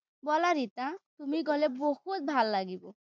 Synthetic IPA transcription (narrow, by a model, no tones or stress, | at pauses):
bɔlaɾit̪at̪umiɡɔlebohut̪̚bʱalːaɡibɔ